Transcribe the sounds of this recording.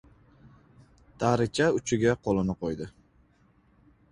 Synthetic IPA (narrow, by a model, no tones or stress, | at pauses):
t̪ʰaɾɪt͡ʃʰaʊt͡ʃʰɪɡʲaqʰolˠɪnɪqʰojd̪ɪ